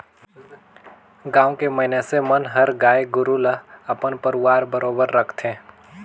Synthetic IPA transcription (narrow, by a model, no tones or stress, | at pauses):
ɡãːõkeməɦɪnesemənɦəɾɡaːeɡʊɾuləɐpənpəɾʊwaːɾbəɾoːbəɾːəkʰt̪ẽː